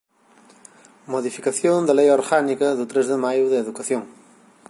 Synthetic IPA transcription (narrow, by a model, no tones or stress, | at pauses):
moðifikaθjond̪elejoɾɣanikɐðut̪ɾezðemajuðeeðukaθjoŋ